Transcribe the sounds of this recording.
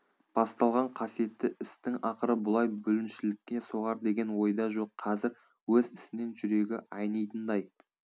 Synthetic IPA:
b̥ɑst̪ɑlˠʁɑɴqʰɑsije̞t̪ːɪʔɪst̪ɪŋɑqəɾəbʊlˠɑjbɵlɪnʃɪlɪk̚ʲkʲe̞so̞ʁɑɾd̪e̞ɡʲe̞nwo̞jd̪ɑʒo̞qʰːɑzɪɾ | wɵzɪsɪne̞nʒʏɾe̞ɡʲɪʔɑjnɑjt̪ənd̪ɑj

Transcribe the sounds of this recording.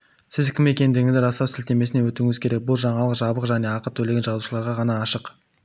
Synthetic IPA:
sɪzkʲʰɪme̞kʲe̞nd̪ɪɡʲɪŋɪzd̪ɪɾɑsɑwsɪlt̪e̞me̞sɪne̞wɵt̪uŋɪzkʲʰe̞ɾe̞k̚bʊlˠʒɑɴɑlˠəqʒɑbəqʒæne̞ɑqət̪ʰːɵle̞ɡʲe̞nʒɑzuʃəlˠɑɾʁɑʁɑnɑːʃəq

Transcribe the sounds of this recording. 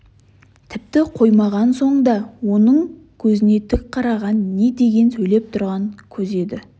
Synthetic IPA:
t̪ʰɪp̚t̪ɪqʰo̞jmɑʁɑnso̞ɴd̪ɑwo̞nəɴ | kʲʰɵzɪne̞t̪ʰʏk̚qʰɑɾɑʁɑnːe̞d̪e̞ɡʲe̞nsɵjle̞p̚t̪ʰʊɾʁɑŋkʲʰɵze̞d̪ɪ

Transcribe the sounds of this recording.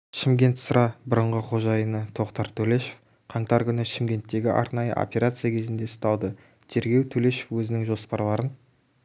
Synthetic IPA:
ʃɪmɡʲe̞nt̪səɾɑbʊɾəɴʁəqʰo̞ʒɑjənət̪ʰo̞qt̪ɑɾt̪ʰɵle̞ʃe̞̥f | qʰɑɴt̪ɑɾkʲʏnɪʃɪmɡʲe̞nt̪ːe̞ɡʲɪʔɑ̰ɾnɑjə̰ʔo̰pʲe̞ɾat̪sɨjakʲʰe̞zɪnd̪e̞st̪ɑlˠd̪ə | t̪ʰe̞ɾɡʲe̞wt̪ʰɵle̞ʃefwɵzɪnɪŋʒo̞spɑɾlˠɑɾən

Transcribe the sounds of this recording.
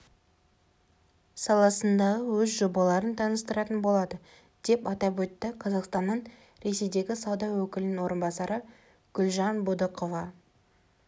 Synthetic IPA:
sɑlˠɑsənd̪ɑʁəwɵzʒo̞bɑlˠɑɾənt̪ʰɑnəst̪əɾɑt̪ənbo̞lˠɑd̪ə | d̪̥e̞pɑt̪ɑpwɵt̪ːɪqʰɑzɑqst̪ɑnːəɴ | ɾe̞se̞jd̪e̞ɡʲɪsɑwd̪ɑwɵkʲɪlɪnɪnwo̞ɾənbɑsɑɾə | ɡ̥ʊlʲʒɑnbud̪əqovɑ

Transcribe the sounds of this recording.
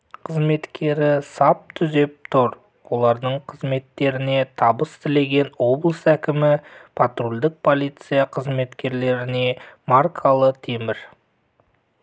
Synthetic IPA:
qʰəzme̞t̪kʲe̞ɾɪsɑp̚t̪ʰʏze̞p̚t̪ʰʊɾ | wo̞lˠɑɾd̪əɴqʰəzme̞t̪ːe̞ɾɪne̞t̪ʰɑbəst̪ʰɪle̞ɡʲe̞nwo̞blˠəsækʲɪmɪpʰat̪rolʲd̪ɪk̚pʰo̞lˠijt̪sɨjaqʰəzme̞t̪kʲe̞ɾle̞ɾɪne̞markʰalˠət̪ʰe̞mɪɾ

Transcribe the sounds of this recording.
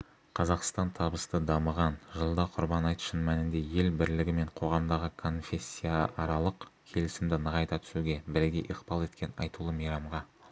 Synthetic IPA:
qʰɑzɑqst̪ɑnt̪ʰɑbəst̪əd̪ɑməʁɑnʒəlˠd̪ɑqʰʊɾbɑnɑjt̪ə̥ʃənmænɪnd̪e̞je̞lbɪɾlɪɡʲɪme̞ɴqʰo̞ʁɑmd̪ɑʁəkʰo̞nfʲe̞sʲːijaɑɾɑlˠəqkʲʰe̞lɪsɪmd̪ɪnəʁɑjt̪ɑt̪ʰʏ̥suɡʲe̞bɪɾɡʲe̞ʔiqb̥ɑlˠe̞t̪kʲe̞nɑ̰jt̪ulˠəmejɾɑmʁɑ

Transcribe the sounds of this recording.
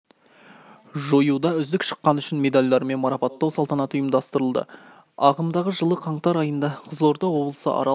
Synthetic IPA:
ʒojud̪ɑʏzd̪ɪkʃə̥qːɑnʏʃɪnme̞d̪alʲd̪ˠɑɾəme̞nmɑɾɑpɑt̪ːɑwsɑlˠt̪ɑnɑt̪ʊjəmd̪ɑst̪əɾəlˠd̪ə̰ | ɑʁəmd̪ɑʁəʒəlˠəqʰɑɴt̪ɑɾɑjənd̪ɑqʰəzo̞ɾd̪ɑwo̞blˠə̥sə̰ʔɑ̰ɾɑ

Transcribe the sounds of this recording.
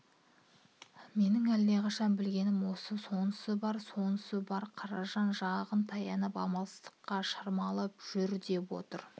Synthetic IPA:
me̞nɪŋælːe̞qʰɑʃɑnbɪlɡʲe̞nɪmwo̞səso̞nəsəbɑɾso̞nəsəbɑɾqʰɑɾɑʒɑnʒɑʁənt̪ʰɑjɑnəpɑ̰mɑlˠəst̪ə̥qːɑʃɑɾmɑlˠəpʒ̥ʏɾd̪e̞pwo̞̰t̪əɾ

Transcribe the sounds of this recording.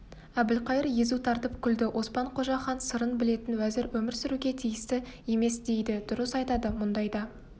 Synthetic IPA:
æbɪlqʰɑjəɾje̞zut̪ʰɑɾt̪əpkʲʰʏld̪ɪwʔo̞spɑɴqʰo̞ʒɑχɑnsəɾənbɪle̞t̪ɪnwæzɪɾwɵmɪɾsʏɾuɡʲe̞t̪ʰijɪst̪ɪe̞me̞sd̪e̞jd̪ɪd̪̥ʊɾəsɑjt̪ɑd̪əmʊnd̪ɑjd̪ɑ

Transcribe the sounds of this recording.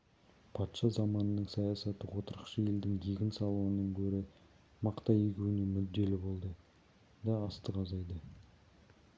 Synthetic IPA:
pʰɑt̪ʃɑzɑmɑnənəɴsɑjɑsɑt̪əwo̞t̪əɾəqʃəje̞ld̪ɪŋɡ̪eɡʲɪnsɑlˠəwənəŋkʲʰɵɾɪ | mɑqt̪ɑjekʲuwɪnemʏd̪ːe̞lɪbo̞lˠd̪ə | d̪ɑːst̪əqɑzɑjd̪ə

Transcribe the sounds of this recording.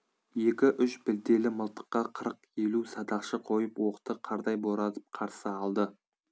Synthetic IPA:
je̞kʲɪʔʏʃbɪld̪e̞lɪməlˠt̪ə̥qːɑqʰəɾəqe̞lusɑd̪ɑqʃəqʰo̞jəpwoqə̥t̪əqʰɑɾd̪ɑjboɾˠɑt̪əp̚qʰɑɾsəɑlˠd̪ə

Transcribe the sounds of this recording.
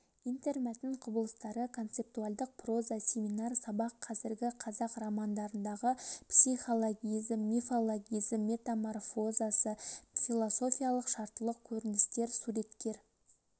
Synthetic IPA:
ijnt̪e̞rmæt̪ːnɪɴqʰʊbəlˠəst̪ɑɾəkʰo̞nt̪se̞p̚t̪ualˠd̪əq̚pro̞zasʲe̞minɑrsɑbɑqʰːɑzɪɾɡʲɪqʰɑzɑqrɑmɑnd̪ɑɾənd̪ɑʁəpsijχo̞lˠo̞ɡʲijzəmːefolˠoɡʲijzəmːe̞t̪amorfo̞zasəfilˠo̞so̞fʲijalˠəqʃɑɾt̪əlˠəq̚kʲʰɵɾɪnɪst̪e̞ɾsuɾe̞t̪kʲe̞ɾ

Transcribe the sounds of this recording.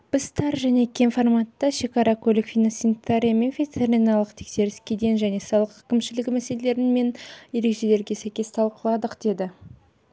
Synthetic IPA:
b̥ɪzt̪ʰɑɾʒæne̞kʲʰenformɑt̪ːɑʃe̞kɑɾɑkʰɵlʲɪkfʲijnosint̪aɾʲijame̞nfʲet̪eɾʲinɑlˠəqt̪ʰe̞kse̞ɾɪskʲe̞d̪ejnʒæne̞sɑlˠəqə̥kʲʰɪmʃɪlɪɡʲɪmæse̞lele̞ɾɪnme̞nje̞ɾe̞kʃe̞le̞ɾɡʲe̞sæjkʲe̞st̪ʰɑlˠqəlˠɑd̪əqd̪̥e̞d̪ɪ

